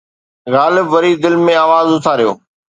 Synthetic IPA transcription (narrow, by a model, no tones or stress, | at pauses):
ɣaːlɪbʋɐɾiːd̪ɪlmẽaːʋaːzʊt̪ʰaɾijo̰ː